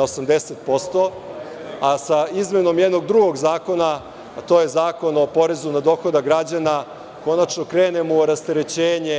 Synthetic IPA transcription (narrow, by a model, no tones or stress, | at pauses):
osamd̪eset̪̚po̞st̪o̞ | asaizme̞no̞mjed̪no̞ɡd̪ɾuɡo̞ɡzaːko̞na | t̪o̞je̞zaːkono̞po̞ɾe̞zunad̪o̞ːxo̞d̪aɡɾad͡ʑana | ko̞nat͡ʃno̞kɾeːne̞moɾast̪eɾe̞t͡ɕeːɲe